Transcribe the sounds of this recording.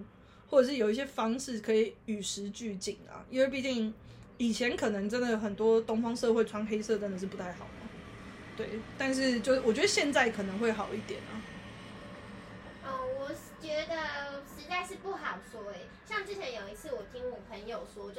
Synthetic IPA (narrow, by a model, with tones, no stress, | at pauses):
wɔ˥˩ʈ͡ʂɤ˨˩ʂɻ̩˥˩jo˨˩ʊi˥ɕjɛ˥fɑ˥ŋʂɻ̩˥˩kʰɤ˧˥i˨˩y˨˩ʂɻ̩˧˥t͡ɕy˥˧t͡ɕi˨˩ŋlɐ̰˩ḭ˥nwe˥˧ɪp̬i˥˧˩t͡ɕi˥˩ŋi˨˩t͡ɕʰjɛ˧˦nkʰɤ˨˩nə˧˥ŋʈ͡ʂə˦˥nd̪ə˨˩˨xə˨˩nt̪wɔ˦t̪o˥ŋfɑ˥ŋʂɤ˥˧xwe˥˩ɪʈ͡ʂʰwa˥nŋxe˥ɪsɤ˥˨t̪ə˥˦nd̪ə˨˩ʂ̬ɻ̩˥˩pu˦t̪ʰa˥˩ɪxɑ˨˩ʊnɐ̰˨˩ | t̪we˥˩ɪt̪a˥˧nʂ̬ɻ̩˥˧t͡ɕjo˥˧˥wɔ˨˩t͡ɕɥɛ˧˥d̪ə˧ɕjɛ˥˧nt͡sa˥˩ɪkʰɤ˨˩nə˧˥ŋxwe˥˩ɪxɑ˨˩ʊi˥˩t̪jɛ̰˨˩nɐ̰˨˩ | ə˥˩wɔ˨˩ | t͡ɕɥɛ˧˥d̪ə˧ʂɻ̩˧˥t͡sa˥˧ɪʂɻ̩˥˧pu˥˩xɑ˨˩ʊswɔ˥ɛ˨˩ | ɕjɑ˥˧ŋʈ͡ʂɻ̩˥˩t͡ɕʰjɛ˧˥njo˨˩ʊi˧˥t͡sʰɹ̩˥˩wɔ˨˩t̪ʰi˥ŋɔ˨˩pʰə˧˦njo˨˩ʊʂwɔ˥t͡ɕo˥˧˩